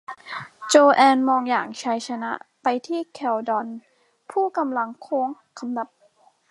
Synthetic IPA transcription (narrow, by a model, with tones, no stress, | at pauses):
t͡ɕoː˧ʔɛː˧nmɔː˧ŋjaː˨˩ŋt͡ɕʰa˧˥jt͡ɕʰa˧na˦˥ʔpa˧jt̪ʰiː˥˩kʰɛ˧˩wdɔ˧n | pʰuː˥˩ka˧mla˧ŋkʰoː˧˦əŋ | kʰa˧mna˨˩p̚